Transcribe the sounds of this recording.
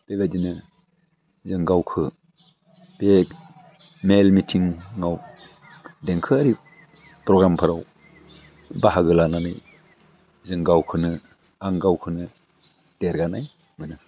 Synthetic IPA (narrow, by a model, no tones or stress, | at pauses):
b̥ebadinɯ | zɯŋɡawkʰɯ | b̥ek | melmitʰiŋŋaw | dɛŋkʰɯaɾi | pɾɔɡɾampʰaɾaw | baɦaɡɯlananaj | zɯŋɡawkʰɯnɯ | aŋɡawkʰɯnɯ | d̥eɾɡanaj | mɯnɯ